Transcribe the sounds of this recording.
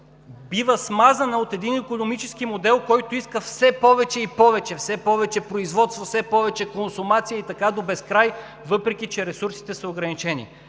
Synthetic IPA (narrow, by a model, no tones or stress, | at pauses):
bivəsmazɐnɐot̪ɛd̪inikonomit͡ʃɛskimod̪ɛlˠkɔjt̪oiskəfsɛpɔvɛt͡ʃɛipɔvɛt͡ʃɛfsɛpɔvɛt͡ʃɛpɾoizvɔt̪st̪vofsɛpɔvɛt͡ʃɛkonsʊmat̪sijəit̪ɐkad̪obɛskɾaj | vɤpɾɛk̟ʲit͡ʃɛɾɛsuɾsi̥t̪ɛsəoɡɾɐnit͡ʃɛnḭ